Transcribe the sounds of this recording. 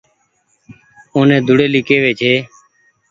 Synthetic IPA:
oːnẽːd̪ʱʊɽeːliːkeːʋeːt͡ʃʰeː

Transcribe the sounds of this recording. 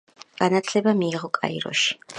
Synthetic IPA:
ɡ̥anat̪ʰlɛbamiːʁɔkʼa̰ḭɾɔ̰ʃi̥

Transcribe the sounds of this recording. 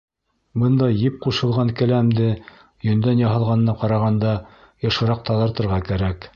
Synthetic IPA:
bɤnd̪ɑjɘp̚quʃɤ̆lˠʁɑŋkæ̆læmd̪ɘ | jɵ̆nd̪ænjɑɦɤ̆lˠʁɑnɤ̆nɑqɑɾɑʁɑnd̪ɑ | jɤ̆ʃɤ̆ɾɑq̚t̪ɑðˠɤ̆ɾt̪ɤ̆ɾʁɑkæɾæk

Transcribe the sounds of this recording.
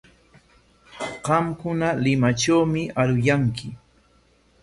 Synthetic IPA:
ɢɑmkʊnalɪmaʈ͡ʂawmɪʔaɾʊjaŋkɪ

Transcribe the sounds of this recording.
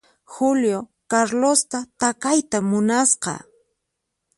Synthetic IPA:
xʊljo | kaɾlost̪at̪akajt̪amʊnasqɑ̰

